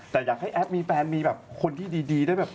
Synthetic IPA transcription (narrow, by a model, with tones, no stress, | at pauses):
t̪ɛː˨˩jaː˨˩k̚ha˥˩jʔɛ˦˥p̚miː˧pɛː˧nmiː˧bɛː˨˩p̚kʰo˧nt̪ʰiː˥˩diː˧diː˧da˥˩jbɛː˨˩p̚